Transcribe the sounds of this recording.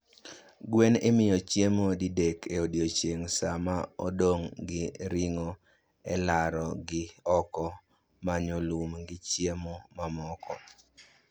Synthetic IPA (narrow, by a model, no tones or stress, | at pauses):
ɡwenemɪjɔt͡ʃjemodidekʰeodjot͡ʃeŋsamaodoŋɡɪɾɪŋɔ | ɛlaɾɔɡɪɔkɔ | maɲolumɡɪt͡ʃjemomamɔkʰɔ̰